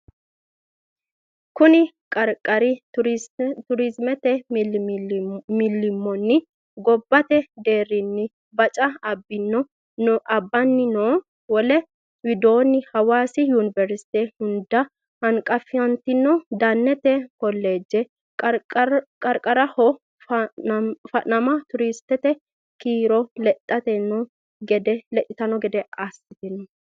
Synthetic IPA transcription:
kʊnɪ | kʼɐɾkʼɐɾɪ | t̪ʊɾɪzmɛt̪ɛ | mɪlːɪmːɔnːɪ | ɡɔbːɐt̪ɛd̪e̞ːɾːɪnːɪ | bɐt͡ʃʼɐɐbːɪnːɔ | nɔʔɐbːɐnːɪnoː | wɔlɛ | wɪd̪o̞ːnːɪhɐwaːsɪjunɪvɛɾsɪ̥t̪ɛhʊnd̪ɐ | hɐŋkʼɐfɪjɐnt̪ɪnːɔd̪ɐnːɛt̪ɛkɔlːe̞ːd͡ʒːɛ | kʼɐɾkʼɐɾɐhɔ | fɐnɐmɐt̪ʊɾɪst̪ɛt̪ɛ | kiːɾɔlɛt̪ʼːɐt̪ɛnːɔ | ɡɛd̪ɛlɛʔ̪ʼɪt̪ɐnɔɡɛd̪ɛɐsːɪt̪ɪnɔ

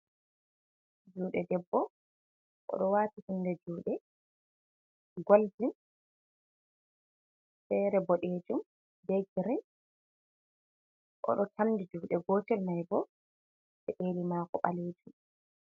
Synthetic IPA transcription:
d͡ʒuːɗɛdɛbːɔ | ʔɔ̰ɗɔwaːtihundɛd͡ʒuːɗɛ | ɡoldin | fɛɾɛbɔɗeːd͡ʒum | bɛɡiɾin | ʔɔ̰ɗɔtamdid͡ʒuːɗɛɡɔːtɛlmajbɔ | ɓɛʔeːlimaːkɔɓaleːd͡ʒum

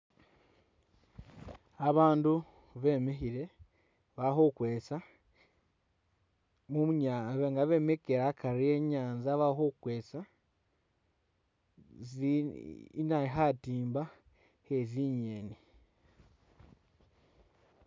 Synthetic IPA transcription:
aβaːndu | βe̞me̞çiɾe̞ | βaxokwe̞ːt͡sa | mumuɲaβŋɡaβe̞mekeɾakʰaɾie̞ɲaːnzaβahokwe̞ːt͡sa | zi | naiɦatiːmba | heziɲeni

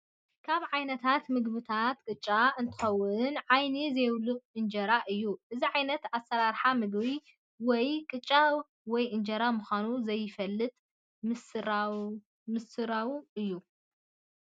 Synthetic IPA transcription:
kʰaβʕajnɐt̪ʰat̪mɨɡbɨt̪ʰat̪kʼɨt͡ʃʼːaɨnt̪ʰɨ̥xɐwːʊnʕajnizɐjwlɨqʼɨnd͡ʒɐɾaʔɨjːuʔɨziʕajnɐt̪asɐɾaɾħamɨɡβi | wɔjkʼɨt͡ʃʼːa | wɔjɨnd͡ʒɐɾamuxʷanuzɐjːɪfɐlːɨt̪ʼ | mɨsɨɾ | mɨsɨɾawuɨjːu

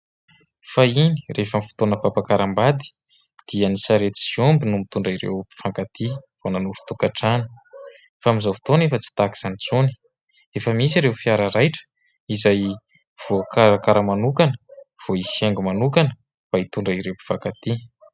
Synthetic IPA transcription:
faini̥refəmfi̥t̪onəpapakaɾambad̪i̥ | d̪̥ianisaɾet̪i̥iombinumit̪uɳɖ͡ʐaiɾḛwpi̥faŋkat̪iv̥onanuɾu̥t̪ukaʈ͡ʂani̥ | famizafi̥t̪onefət͡si̥t̪aki̥z̥anit͡suni̥ | efəmis̬iɾewfiaɾaɾajʈ͡ʂə̥ | izaj | v̥okaɾakaɾəmanukanəv̥oisieŋɡumanukanə | b̥ait̪uɳɖ͡ʐəiɾewpi̥v̥akat̪i

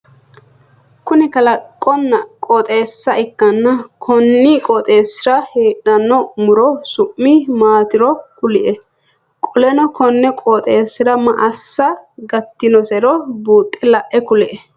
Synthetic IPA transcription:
kʊnɪkɐlɐkʼːɔnːɐkʼɔt̪ʼe̞ːsːɐʔɪkːɐnːɐkʰɔnːikʼɔt̪ʼe̞ːsːɪɾɐheːᶑɐnːɔmʊɾɔsʊʔːɪmaːt̪ɪɾɔkʊlɪʔɛ | kʼɔlɛnɔkʰɔnːɛkʼɔt̪ʼeːsːɪɾɐmɐ̰ʔɐsːɐɡɐt̪ːɪnɔsɛɾɔbuːt̪ʼːɛlɐʔʔɛkʊlɪʔɛ

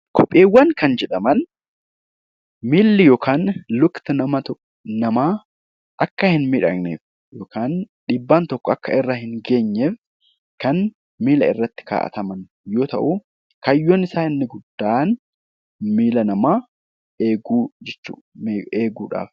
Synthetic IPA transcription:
kʰɔpʼːeːwːɐŋkɐnd͡ʒɛᶑɐmɐn | miːlːɪjoːkʰaːnlʊkt̪ɐnɐmɐt̪ | nɐmaː | ʔɐkːɐhɪnmɪᶑɐ̰ɡnḛːf | joːkaːn | ᶑɪbːaːnt̪ɔkːɔɐkːɐɪrːɐhɪŋɡe̞ːɲːeːf | kɐn | miːlɐ̰ɪ̰rːɐt̪ːɪ̥ka̰ːʔɐ̰t̪ɐmɐn | jo̞ːt̪ɐ̰ʔu | kɐjːoːnɪsaːɪnːɪɡʊd̪ːaːʔn | miːlɐnɐmaː | eːɡuːd͡ʒɛt͡ʃːṵːeːɡuːᶑa̰ːf

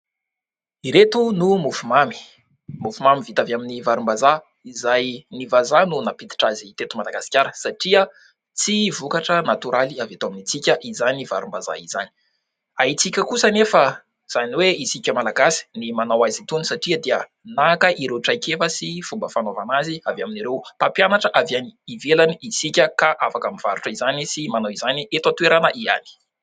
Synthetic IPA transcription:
iɾet̪unumufumami̥ | mufumamivit̪avaminivaɾumbaza | izajnivazanunapid̪i̥ʈ͡ʂazit̪et̪umalaɡasi̥kʲaɾəsaʈ͡ʂiə | t͡sivukaʈ͡ʂənat̪uɾʔaliavet̪uaminit͡sikʲəʔizaniva̰ɾumbaza̰iza̰ni̥ | ait͡sikʲəkusənefə | z̥aniweisikʲəmalaɡasi̥nimanawazit̪unisaʈ͡ʂiəd̪iə | nakəʔiɾewʈ͡ʂajkefəsifumbəfanovanaziavaminiɾewpapjanaʈ͡ʂəʔavjaniːvelaniisikʲəkaʔafakamiv̥aɾuʈ͡ʂəizanisimanawizaniet̪at̪ueɾanəʔia̰ni̥

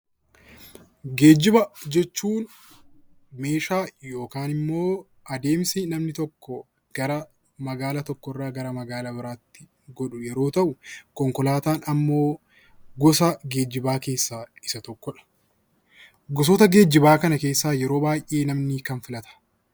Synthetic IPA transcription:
ɡe̞ːd͡ʒɪbɐd͡ʒɛt͡ʃːuːn | me̞ːʃaːjo̞ːkaːnɪmːo̞ː | ɐd̪e̞ːmsɪnɐmnɪt̪ɔkːɔ | ɡ̥ɐɾɐ | mɐɡaːlɐt̪ɔkːɔrːaːɡɐɾɐmɐɡaːlɐbɪɾaːt̪ːɪ̥ | ɡɔᶑʊjɛɾo̞ːt̪ɐʔʊkɔŋkɔlaːt̪aːnɐmːo̞ː | ɡɔsɐɡe̞ːd͡ʒɪbaːke̞ːsːaːɪsɐt̪ɔkːɔᶑɐ̥ | ɡɔs̬ɔt̪ɐɡe̞ːd͡ʒːɪbaːkɐnɐke̞ːsːaːjɛɾo̞ːbaːjʔʔe̞ːnɐmnɪkɐnfɪlɐt̪ʰɐ̥

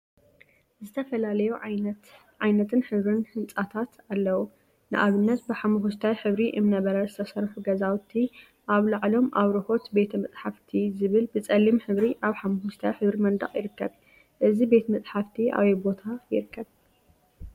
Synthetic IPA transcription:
zɨt̪ʰɐfɐlalɐjuʕnt̪ | ʕajnɐt̪ʰɨnħɨβɾɨnħɨnt͡sʼat̪ʰat̪alːɐwu | nɨʔaβɨnːɐt̪̚bɨħamɐɦust̪ʰawjħɨβɾiʔɨmnɐβɐɾɐzɨt̪ʰɐsɐɾħuɡɐzawt̪ʰːi | ʔaβlaʕlo̞mʔaβɾɨho̞t̪be̞t̪ʰɐmɨt͡sʼħaft̪ʰizɨβɨlbɨt͡sʼɐlːimħɨβɾiʔaβħamɐfust̪ʰawħɨβɾimɐnd̪ɐ̰χʼjɪɾɨkːɐβ | ʔɨzibe̞t̪ʰmɨt͡sʼħaft̪ʰiʔa̰βebo̞t̪ʰajɪ̰ɾɨkʰːɐβ

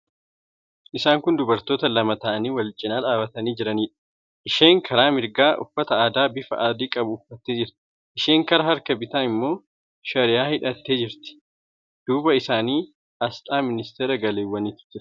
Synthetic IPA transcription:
ʔɪsaːŋkʊnd̪ʊbɐɾt̪o̞ːt̪ɐlɐmɐt̪ɐʔɐniːwɐlt͡ʃʼɪnaːᶑaːbɐt̪ɐniːd͡ʒɪɾɐniːᶑɐ̥ | ʔɪʃe̞ːŋkʰɐɾaːmɪɾɡaːʔʊ̰fːɐt̪ɐaːd̪aːbɪfɐ̰ʔaːd̪iːkʼɐbʊːfːɐt̪ːeːd͡ʒɪɾt̪ɪ̥ | ʔɪʃeːŋkɐɾɐɦɐɾkɐbɪt̪aːɪmːo̞ː | ʃɐɾɪjaːhɪᶑɐt̪ːe̞ːd͡ʒɪɾt̪ɪ̥ | d̪̥uːbɐɪsaːniː | ɐst̪ʼaːmɪnɪst̪eːɾɐɡɐleːwːɐniːt̪ʊ̥ɪɾ

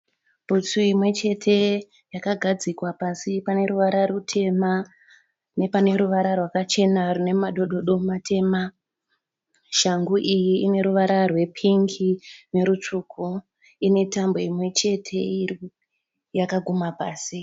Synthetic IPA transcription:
b̥ʱut͡suimwe̞t͡ʃe̞tʰe̞ | jakaɡʱad͡zikwapasipane̞ɾuʋaɾarutʰe̞ma | ne̞pane̞ɾuʋaɾarwakat͡ʃe̞narune̞maɗo̞ɗo̞ɗo̞matʰe̞ːma | ʃaŋɡuʔijiine̞ɾuʋaɾarwe̞pʰiŋɡine̞ɾut͡ʂuːkʰu | ine̞tambo̞imwe̞t͡ʃe̞tʰe̞i | jakaɡʱumapaːsi

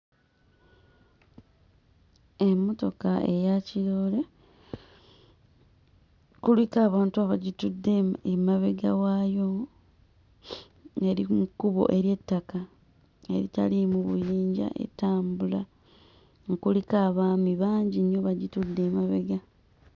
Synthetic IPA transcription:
emːo̞to̞kaʔe̞jaciloːle | kulikaːβaːntuaβaɟitudːeemaβe̞ɡawajo | e̞ɾimukːuβo̞̰ʔe̞ɾje̞tːaka | e̞̰ɾita̰limuβṵjiːɲɟa̰ʔe̞̰taːmbula | ŋkulikaːβaːmiβaːɲɟinjo̞βaɟitudːe̞ːmaβeɡa

